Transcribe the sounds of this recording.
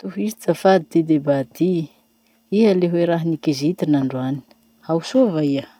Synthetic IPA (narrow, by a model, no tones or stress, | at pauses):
t̪uɦizit͡safad̪id̪ed̪ebad̪i | iɦəleɦweɾaɦinikizit̪inaɳɖ͡ʐuani̥ | awsuvaiə